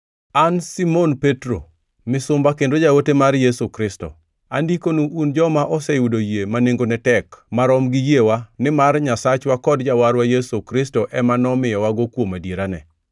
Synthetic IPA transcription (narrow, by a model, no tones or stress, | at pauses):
ansimonpetɾo | mɪsʊmbakendod͡ʒawotemarjesukɾɪstɔ̰ | andikonuʔːnd͡ʒɔmaʔɔsɛjudojemaneŋɡonɛtɛkmaɾɔmɡɪjewanɪmarɲasat͡ʃwakɔdd͡ʒawaɾwajesukɾɪstoʔɛmanɔmɪjɔwaɡokwomadjeɾanɛ̰